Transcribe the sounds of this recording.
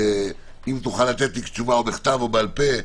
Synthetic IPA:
e | imt̪uχalːat̪et̪likt͡ʃuvaobeχt̪avo̞bealpe̞

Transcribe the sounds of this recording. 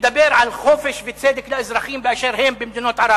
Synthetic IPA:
d̪abːeɾʕalxoːfeʃvɪt͡seːd̪ɪklaʔɪzɾɑxiːmbɪʔaʃeɾhɪmbɪmd̪ɪnoːt̪ʕɑɾɑ

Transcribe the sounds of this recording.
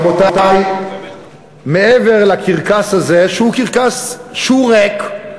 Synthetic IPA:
bot̪at̪aj | meeveʁlakiʁkashazeʃehukiʁkasʃuʁek

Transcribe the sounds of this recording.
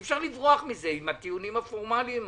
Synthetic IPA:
fʃaʁlivʁoaχmize̞imat̪iunimhafoʁmalim

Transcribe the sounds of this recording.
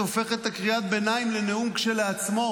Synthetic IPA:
ofe̞χet̪akʁiat̪̚benaimleneumkʃeleat͡smo̞

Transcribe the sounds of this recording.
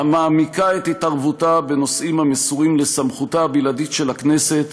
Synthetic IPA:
hamaːmikaet̪hitaʁvutabe̞no̞sʔimhamesuʁimle̞samχutabiladitʃe̞lakne̞se̞t̪

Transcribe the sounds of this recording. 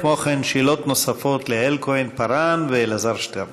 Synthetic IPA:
kmoχenʃilot̪nosafot̪lehelkoenpaɾanvelazaɾʃteɾ

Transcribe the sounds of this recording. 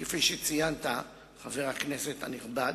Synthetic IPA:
kefiʃet͡sijant̪a | χaveʁakneset̪ha̰niχbad

